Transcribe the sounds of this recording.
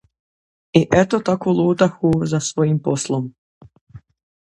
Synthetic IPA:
iʔet̪ot̪akolˠuːt̪axuzasʋojimposlˠom

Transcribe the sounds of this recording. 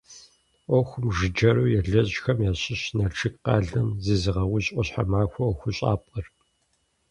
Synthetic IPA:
ʔʷɔxʷʊmʒɨd͡ʒɐɾuːjɛɮɐʑxɐmjaːɕʼɪɕnɐrʈ͡ʂʰɨkqɑ̰ːɮɐmzeːzɨʁɐwʊɕʼʷɔɕħa̰maːxʷɔʔɔxʷʊɕʼa̰ːpʼqər

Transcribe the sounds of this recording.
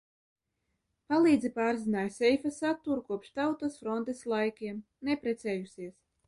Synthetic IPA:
palˠiːd̪zʲipaːɾzinaːjsʲɛjfasat̪ːuɾukuɔpʃt̪awt̪osfɾɔnt̪eslˠajkʲiɛm | nɛpɾɛt̪sɛːjusʲiɛs

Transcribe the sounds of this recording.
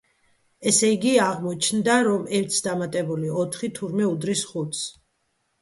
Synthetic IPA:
ɛsɛiɡiaʁmɔt͡ʃʰnd̪aɾɔmɛɾt̪ʰsd̪amat̪ʼɛbuliɔt̪ʰχit̪ʰuɾmɛud̪ɾisχut̪s

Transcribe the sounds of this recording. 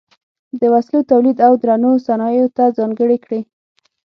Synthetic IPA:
d̪əwaslot̪awlid̪awd̪ɾanosanɑjot̪azɑŋɡəɽikɽi

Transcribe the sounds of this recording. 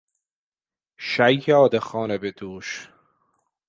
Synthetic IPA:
ʃæjjɑːd̪exɑːnebed̪uːʃ

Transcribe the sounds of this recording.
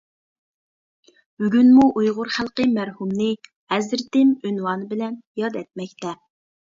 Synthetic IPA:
b̥yɡʲynmuʔujʁʊɾχælˠqəmæɾhumnɪ | ɛzɾt̪ɪmynwɑnɨbɪlɛnjɑd̪ɛt̪̚mɛk̚ʲt̪ɛ

